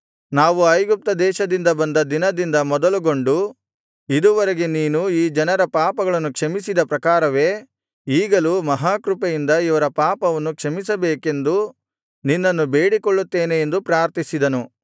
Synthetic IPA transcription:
naːʋuɐjɡup̚t̪ɐd̪ɛːʃɐd̪ind̪ɐbɐnd̪ɐd̪inɐd̪ind̪ɐmɔd̪ɐluɡo̞ɳɖu | id̪uʋɐɾeɡeniːnuiːd͡ʒɐnɐɾɐpaːpɐɡɐɭɐnːukʂɐmisid̪ɐpɾɐkaːɾɐʋe̞ː | iːɡɐlumɐɦaːkɾupɐjind̪ɐiʋɐɾɐpaːpɐʋɐnːukʂɐmis̬ɐbeːke̞nd̪u | ninːɐnːube̞ːɽikoɭːut̪ːeːneːnd̪upɾaːɾt̪isid̪ɐnu

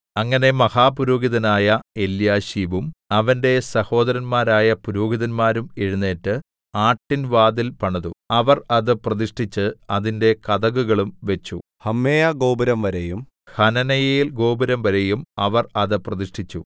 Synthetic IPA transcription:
ɐŋːɐne̞mɐhaːpuɾoːɡiðɐnaːjɐe̞ljaːɕiːʋumɐʋɐnde̞sɐho̞ːd̪ɐɾɐnmaːɾaːjɐpuɾoːɡiðɐnmaːɾumeɻunːe̞ːʈːɨ | aːʈːinʋaːd̪ilpɐɳɐðuɐʋɐrɐðɨprɐðiʂʈʰit͡ɕːɨɐðinde̞kɐðɐɣuɣɐɭumʋe̞t͡ɕːu | hɐmːeːjɐɡo̞ːbɐɾɐmʋɐɾejum | hɐnɐnɐjɐjilɡo̞ːbɐɾɐmʋɐɾejumɐʋɐrɐðɨprɐðiʂʈʰit͡ɕːu

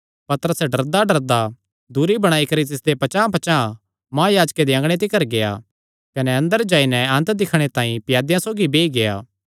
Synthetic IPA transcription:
pɐt̪əɾəsɛɖɐɾd̪aɖɐɾd̪a | d̪uɾibɐɽ̃aːikɐɾit̪ɪsd̪epɐt͡ʃãːpɐt͡ʃã | mãːjaːd͡ʒked̪iɐ̃ŋɡɽ̃et̪̬ɪkɐɾɡeja̰ | kɐnɛɐ̃nd̪əɾd͡ʒaːinɛɐ̃nt̪d̪ɪkʰɽ̃et̪ãːĩpɪjaːd̪jãsoːɡibeːiɡeja̰ː

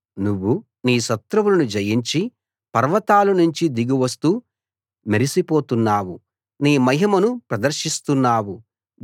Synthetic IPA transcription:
nuʋːu | niːʃɐt̪ɾɐwulɐnud͡ʒɐjiɲt͡ʃi | pɐɾʋɐt̪aːlunuɲt͡ʃid̪iɡiʋɐst̪uː | meɾisipo̞ːt̪unːaːwu | niːmɐɦɐmɐnupɾɐd̪ɐɾʃist̪unːaːwu

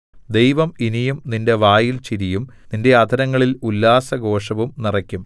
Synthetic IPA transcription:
d̪e̞jʋɐminijumninde̞ʋaːjilt͡ɕiɾijumninde̞ɐd̪ʱɐɾɐŋːɐɭilulːaːsɐɡo̞ːʂɐʋumnirɐkʲːum

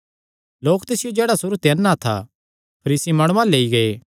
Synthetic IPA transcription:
loːkt̪ɪsɪjod͡ʒɛːɽasʊɾut̪eɛnːat̪ʰa̰ | pʰɐɾiːsimɐːɽ̃ʊ̃ʋãleːiɡɐe

